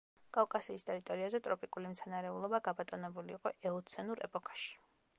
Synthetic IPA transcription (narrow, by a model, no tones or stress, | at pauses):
kʼavkʼasiːst̪ʼɛɾit̪ʼɔɾiazɛt̪ʼɾɔpʼikʼulimt̪sʰanaɾɛulˠɔbaɡabat̪ʼɔnɛbuliːqʼɔʔɛɔt̪sʰɛnuɾɛ̰pʼɔkʰḁʃi̥